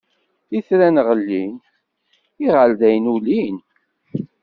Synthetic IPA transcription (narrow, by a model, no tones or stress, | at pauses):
iθɾænəʁəlːin | iʁəlðæjnulin